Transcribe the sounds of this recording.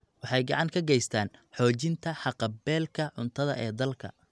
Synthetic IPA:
wɑħɑjɡɑʕɑŋkʰɐɡɛjst̪ʰaːnħɔːt͡ʃɪnt̪ʰɐħɑqɑbɛːlkʰɐʕʊ̰nt̪ʰɐðɐ̰ʔɛːd̪ɐlkʰɐ̰

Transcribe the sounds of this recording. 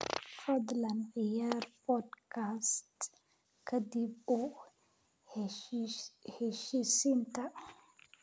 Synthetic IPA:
fɐd̪lɐnʕɪjaːrbɔd̪kʰast̪ | kʰɐd̪ɪbʊ | hɛʃiːsɪnt̪ʰɐ

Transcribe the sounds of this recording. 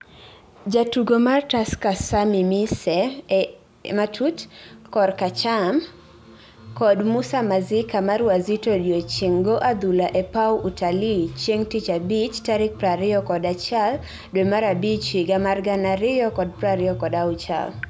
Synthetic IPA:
d͡ʒatuɡomartaskasamimisɛ | matʰutkɔrkat͡ʃam | kɔdmʊsamazɪkamaɾwazitodjot͡ʃiŋɡoʔad̪ulaʔɛpawʔutʰalit͡ʃeŋtit͡ʃabit͡ʃtaɾɪk̚pɾaɾɪjɔkɔdat͡ʃal | dwemaɾabit͡ʃiɡamarɡanaɾɪjɔkɔd̚pɾaɾɪjɔkɔdaʊt͡ʃa̰l

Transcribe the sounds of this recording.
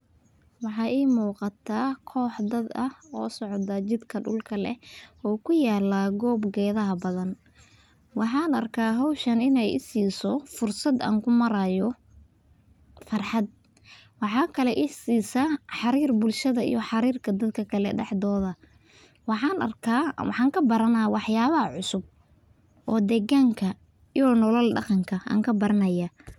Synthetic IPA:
wɑħɑːʔiːmuːqɑt̪ʰaːkʰɔːħd̪ɐd̪ɐɔ̰ːsɔʕd̪ɐt͡ʃɪd̪kʰɐɖʊ̰lkʰɐlɛ̰ʔɔːkʰʊjaːlaːɡɔːbɡɛːðɐɦɐbɐðɐn | wɑħɑːnɐrkʰaːɦɑwʃɐnɪnɛjɪ̰siːsɔfʊrsɐd̪a̰ːŋkʰʊmɐɾajɔ | fɑrħɑd̪̚ | wɑħɑːkʰɐlɛʔɪħsiːsɐħɑɾiːrbʊlʃɐðɐḭjɔħɑɾiːrkʰɐd̪ɐd̪kʰɐkʰɐlɛ̰ɖɛ̰ħd̪ɔːðɐ | wɑħɑːnɐ̰rkʰawɑħɑːŋkʰɐbɐɾɐnɐwɑħjaːβɐɦɐʕʊsʊb̚ | ʔɔːd̪ɛːɣaŋkʰɐ | ijɔnɔlɔlɖɑ̰qɑŋkʰɐa̰ːŋkʰɐbɐɾɐnɐjɐ

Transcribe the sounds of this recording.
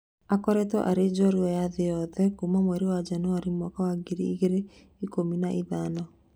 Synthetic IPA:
akɔɾɛtɔ̰ʔaɾed͡ʒɔɾiwɛjaðejɔðɛkumamwɛɾewad͡ʒanoaɾimwɔkawaɡiɾiiɣeɾe | ikominaʔiðaːnɔ

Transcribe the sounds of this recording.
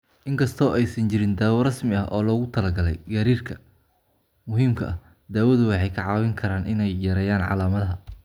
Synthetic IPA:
ʔɪŋkʰɐst̪ʰɔːʔɛjsɐnt͡ʃɪɾɪnd̪aːwɐrɐsmɪɐɦʔɔːlɔːɣʊt̪ʰɐlɐɡɐlɛ̰jɡɐɾiːrkʰɐ | mʊɦiːmkʰɐʔɐh | d̪aːwɐðʊwɑħɑjkʰɐʕɑːwɪŋkʰɐɾaːnʔɪ̰nɛjːɐɾɛːjaːnʕɑ̰laːmɐðɐɦɐ

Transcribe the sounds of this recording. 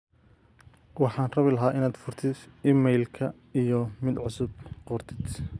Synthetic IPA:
wɑħɑːnrɐβɪlɐɦaːʔɪnaːd̪fʊrt̪ʰɪd̪imɛjlkʰɐ | ijɔmɪd̪ʕʊsʊb̚qɔrt̪ʰɪd̪

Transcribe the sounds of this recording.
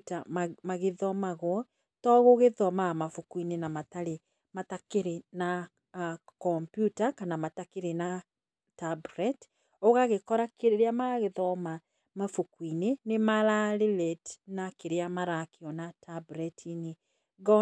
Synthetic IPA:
tammaɣeðɔmaɣwɔ | tɔɣoɣeðɔmamafokwinenamataɾe | matakeɾena | kɔmpjutakanamatakeɾena | tabuɾɛt | oɣaɣekɔɾakeɾeɾeamaɣeðɔma | mafokwinenemaɾaɾelɛtnakeɾeamaɾakeɔnatabɾɛtʰine | ɡɔ

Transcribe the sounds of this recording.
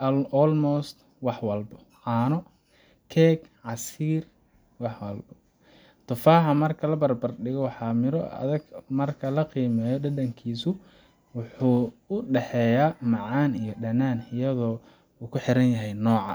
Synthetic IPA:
ɔlmɔst̪ | wɑħwɐlbɔ | ʕɑːnɔ | kʰɛːɡ | ʕɑsiːr | wɑħwɐlbɔ | t̪ʰʊfaːħɐmɐrkʰɐlɐbɐrbɐrɖɪɣɔwɑħɑːmɪɾɔɐ̰ðɐɡmɐrkʰɐlɐqiːmɛːjɔɖɐdɐŋkʰiːsʊ | wʊħuːʊɖɛħɛːjaːmɑʕɑːnijɞɖɐnaːnɪjɐðɔː | uːkʰʊħɪɾɐnjɐɦɛjnɔːʕɑ̰

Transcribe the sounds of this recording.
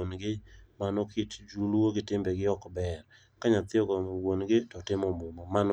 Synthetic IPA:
onɡɪmanɔkʰɪtd͡ʒuloɡɪtɪmbɛɡɪɔkbɛr | kaɲat̪ɪɔɡɔwonɡɪtɔtɪmɔmʊmɔman

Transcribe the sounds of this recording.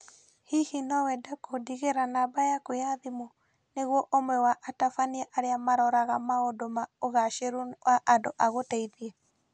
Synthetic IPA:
hihinɔwɛdakodiɣeɾanabajakojaðimo | neɣwɔʔomwɛwaʔatafaniɛʔaɾeamaɾɔɾaɣamaodomaoɣaʃeɾunwʔaʔandoʔaɣotɛiðiɛ

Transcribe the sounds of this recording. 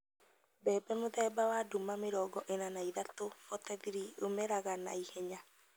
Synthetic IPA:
bɛːbɛmoðɛːbawadumameɾɔːɡɔʔenanaiðat̪ofɔt̪ɛðiɾio̰mɛɾaɣana̰ihɛɲa

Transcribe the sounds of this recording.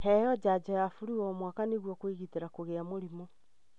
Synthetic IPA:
hɛjɔd͡ʑad͡ʑɔjafuɾiɔmwakaneɣwɔkwiɣiteɾakoɣeamoɾimo

